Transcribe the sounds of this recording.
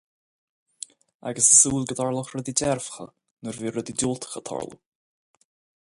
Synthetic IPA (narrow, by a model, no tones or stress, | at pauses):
a̰ɡəsəsuːlɡəd̪ɔɹlˠʊxɾɛd̪idɛɾvxə̰ | nəɾviːɾɛd̪iduːlt̪ʰə̥xət̪ʰɔ̰ɹlˠṵ